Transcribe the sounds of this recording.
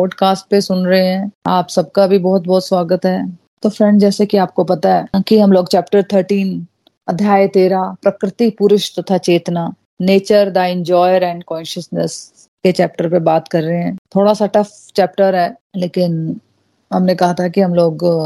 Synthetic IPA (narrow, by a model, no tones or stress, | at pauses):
pɔːɖkaːsʈ̚pesʊnɾɐɦeɦɛ̃ːaːpsɐb̚kabʱibɔːʊt̪̚bɔːt̪swaːɡət̪ɦɛː | t̪oːfɾɛ̃ɳɖd͡ʒɛːsekiaːp̚kopɐt̪aɦɛːkiɦɐmloːɡt͡ʃɛːpʈəɾt̪ʰəɾʈiːn | ɐd̪ʱjaːjt̪eːɾapɾɐkɾɪt̪ipuɾʊʃt̪ɐt̪ʰat͡ʃeːt̪na | neːt͡ʃəɾd̪aɪ̃ɲd͡ʒɔːjəɾɛ̃ːɳɖkɔ̃ːnʃəsnəs | ket͡ʃɛːp̚ʈəɾpebaːt̪kɐɾːəɦeɦɛ̃ːt̪ʰoːɽasaʈɐf | t͡ʃɛːp̚ʈəɾɦɛː | leːkɪn | ɦɐmnekɐɦat̪ʰakiɦɐmloːɡ